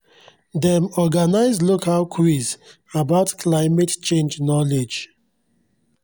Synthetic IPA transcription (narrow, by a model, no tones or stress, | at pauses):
dɛmɔɡanaɪzlokalkʰɹiz | abaʊtkʰlaɪmɛtt͡ʃẽnd͡ʒnɔled͡ʒ